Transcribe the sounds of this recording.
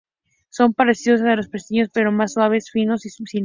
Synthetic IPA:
so̞mpaɾe̞siðos̬aelo̞spɾest̪iɲo̞spe̞ɾo̞masːwaβ̞e̞sfino̞ssin

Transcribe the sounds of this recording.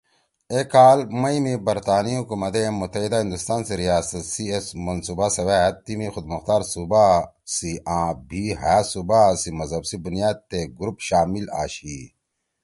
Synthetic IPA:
ekaːlmɐimebɐɾt̪aːniɦukumɐt̪emut̪ɐɦid̪aɦĩnd̪ust̪aːnseɾijaːsɐt̪siesmɐnsuːbasɐʋaːɦɐt̪ːimixʊd̪mɐxt̪aːɾsuba | siʔãːbʱiɦasubasimɐzɐbsibunijaːd̪̚t̪eɡɾupɕaːmila̰ːɕi

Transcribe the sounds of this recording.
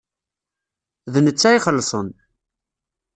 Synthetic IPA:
ðnət͡sːæjχəlːsˤən

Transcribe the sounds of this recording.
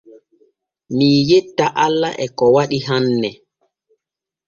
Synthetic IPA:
miːjetːaʔalːaʔɛkɔwaɗiɦanːɛ

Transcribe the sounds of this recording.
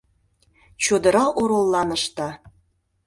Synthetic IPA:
t͡ɕud̪ɤ̆ɾɑʔoɾolˠːɑnə̆ʃt̪ɑ

